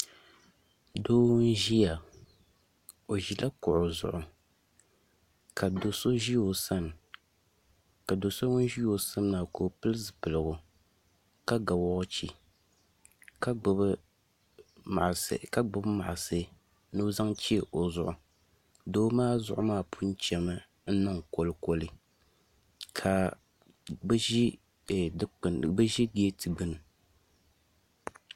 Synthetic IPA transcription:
doː˦n˦ʒi˦ja˨ | o˨ʒi˨la˦kʊ˨ʔʊ˨zʊ̰˨ʔʊ˨ | kʰa˨do˨so˦ʒi˦jo˨sa˦n˨ | ka˨do˨so˦ŋʊ˦n˦ʒi˦o˨sa˦n˦naː˨koː˨pɨ˦lɨ˦zɨ˨pɨ˨lɨ˨ɡʊ˨ | ka˦ɡa˨wɔ˦ɣʊ˦t͡ʃi˨ | ka˦ɡ͡bɨ˨bɨ˦ | ma̰˨ʔska˦˨ɡ͡bɨ˦bma̰˨ʔa˨sɨ˦ | nu˦za˦ŋt͡ʃi˦˨ʔo˨zʊ˦ʔʊ˨ | doː˦maː˦zʊ˦ʔʊ˦maː˦˨pʰu˦n˦t͡ʃɛ˨mɨ˦ | n̩˦nɨ˦ŋko˦lɨ˦ko˦lɨ˦ | kʰa˨ | bʒi˦˨ | dnbɨ˦ʒi˦ɡi˦e˦tɨ˨ɡ͡bɨ˦nɨ˨

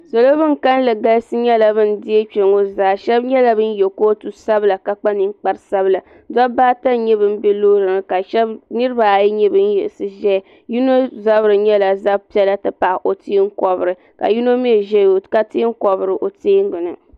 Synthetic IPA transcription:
so˨lo˦bɨ˦ŋ˨ka˦n˦lɨ˨ɡa˦sɨ˦ɲɛ˦la˨bɨ˦n̩˦dɪ˦e˦t͡ʃe˨ŋo˦zaː˦ʃɛ˦bɲɛ˦la˦bɨ˦n˦jɛ˨ko˦tu˦sa˦bla˨ka˨k͡pa˦ni˨˦ŋ˦k͡pa˦ɾsa˦bɨ˦˨la˨ | dɔ˦baː˦ta˦˨ɲɛ˦bɨ˦m̩˦bɛ˦loː˦ɾɨ˨nɨ˨ka˨ʃɛ˦bnɨ˦ɾɨ˦ba˨ji˦ɲɛ˦bɨ˦n˦jɛ̰˨lsɨ˦ʒɛ˦˨ | ju˦no˦za˦bɨ˨ɾɨ˨ɲɛ˦la˨za˦pi˦ɛ˦la˦tɨ˨pa˨ʔo˨tiː˦ŋ̩˦kɔ˨bɨ˨ɾɨ˨ | ka̰˨ju˦no˦mi˦ɛ˨ʒɛ˦o˨ka˦ti˦ŋ̩˦kɔ˨bɨ˨ɾɨ˨ʔo˨tiː˦ŋ˦ɡɨ˨nɨ˨

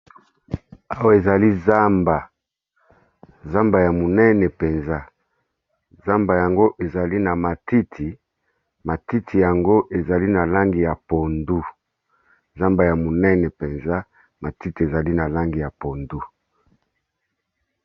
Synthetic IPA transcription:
a˦wa˨e˨za˨li˦za˦mba˨ | za˦mba˨ja˨mo˨nɛ˦nɛ˨pe˨nza˦ | za˦mba˨ja˨ŋɡo˦ʔe˨za˨li˦na˨ma˨ti˦tʰi˨ | ma˨ti˦tʰi˨ja˨ŋɡo˦ʔe˨za˨li˦na˨la˦ŋɡi˨ja˨po˨ndu˦ | za˦mba˨ja˨mo˨nɛ˦nɛ˨pe˨nza˦ | ma˨ti˦ti˨e˨za˨li˦na˨la˦ŋɡi˨ja˨po˨ndu˦

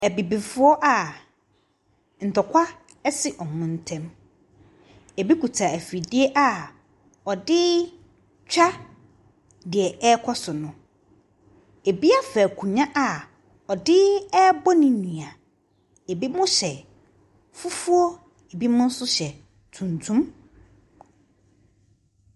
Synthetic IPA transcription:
æ˨bi˨bi˨fʊ˦ɔ˦ʔa˨ | n̩˨tʰɔ˨kʷʰa˦ | ɛ˦sɪ˦ʔɔ˨mʊ̃˨n˦tʰɛ̃˦m | e˨bi˦ku˨tʰa˨æ˨fi˨dɪ˦ɛ˦ʔa˨ | ɔ˨dɪ˦ | t͡ɕᶣa˦ | dɪ˨ɛ˨ɛ˦kʰɔ˦sʊ˨nʊ̃˨ | e˨bi˦a˦fæ˨kʰũ˨ɲã˦ʔa˨ | ɔ˨dɪ˦ɛ˦bɔ˦nĩ˨nĩ˨a˨ | e˨bi˦mʊ̃˦ɕɛ˨ | fu˦fu˦ɔ˦ | e˨bi˦mʊ̃˦n̩˦sʊ˦ɕɛ˨ | tʰũ˨ntʰũ˦m

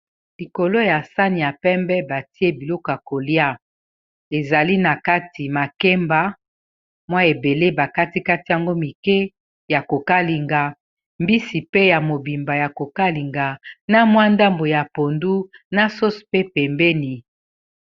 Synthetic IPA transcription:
li˨ko˨lo˦ja˨sa˦ni˨ja˨pɛ˦mbɛ˦ba˨ti˦e˦bi˨lɔ˦ko˨ja˨ko˨li˦a˦ | e˨za˨li˦na˨ka˦ti˨ma˨ke˦mba˨˦ | mwa˦e˨be˨le˦ba˨ka˦ti˦ka˦ti˨ja˨ŋɡo˦mi˨kɛ˦ | ja˨ko˨ka˦li˨ŋɡa˨ | mbi˦si˨pe˦ja˨mo˨bi˨mba˨ja˨ko˨ka˦li˨ŋɡa˨na˦mwa˦nda˦mbo˨ja˨po˨ndu˦na˦so˦spe˦pɛ˨mbɛ˦ni˨

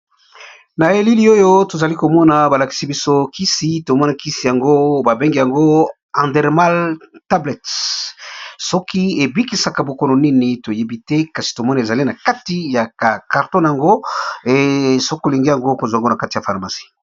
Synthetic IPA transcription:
na˨e˨li˦li˦o˦jo˦to˨za˨li˦ko˨mɔ˦na˨ba˨la˨ki̥˨si˦bi˦so˦ki˦si˨to˨mɔ˦na˨ki˦si˨ja˨ŋɡo˦ba˨be˦ŋɡi˨ja˨ŋɡo˦ | ã˨ndɛ˨ʁma˦lta˦blɛ˨t | sɔ˦kʰi˦e˨bi˦ki˨sa˨ka˨bo˨ko˦no˨ni˦ni˨to˨je˦bi˦tɛ˦ka˨si̥˨to˨mɔ˦n˨e˨za˨li˦na˨ka˦ti˦ja˨a˨ka˨ʁtɔ̃˦nja˨ŋɡo˦e˨so˦ko˨li˨ŋɡe˦ja˨ŋɡo˦ko˨zŋɡo˦na˨ka˦ti˨ja˨fa˨ʁma˨si̥˦

